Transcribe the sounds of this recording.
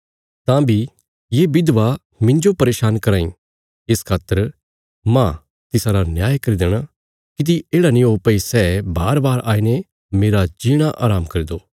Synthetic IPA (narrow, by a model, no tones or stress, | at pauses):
t̪ãbʱi | jeːbɪd̪ʋa | mɪ̃ɲd͡ʒopɐɾeːʃaːnkɐɾaːḭ̃ | ɪskʰaːt̪əɾ | mã | t̪ɪsãɾanjaːjkɐɾid̪eːɽ̃a | kɪt̪̬ieːɽanĩoːpɐisɛːbaːɾbaːɾaːine | meːɾad͡ʒiːɽ̃aʔaːɾaːmkɐɾid̪oː